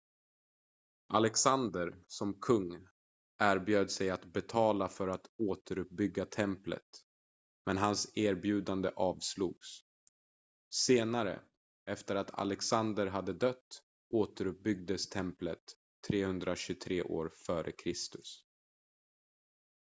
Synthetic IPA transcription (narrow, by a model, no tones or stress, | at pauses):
ʔalɛksand̪əɾsɔmkʰɵŋː | ʔæːɾbjøːd̪sɛjat̪bɛt̪ʰɑːlafœɾat̪oːt̪ʰəɾɵp̚bʏɡːat̪ʰɛmplə̰t̪ | mɛnɦanseːɾbjʉ̟ːd̪and̪əʔɑːvslṵːɡs | seːnaɾə̰ | ɛft̪əɾat̪ʰa̰lɛksand̪əɾɦad̪ːəd̪œt̪ː | oːt̪əɾɵp̚bʏɡ̚d̪əst̪ʰɛmplət̪ʰː | ɾeːhɵnd̪ɾaɕɵt̪ʰɾeːʔo̰ːɾfœːɾʔə̰kʰɾɪst̪ɵs